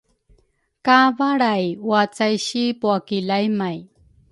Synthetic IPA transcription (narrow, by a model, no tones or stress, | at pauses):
kavaɽajwat͡sajɕipuakilajmaj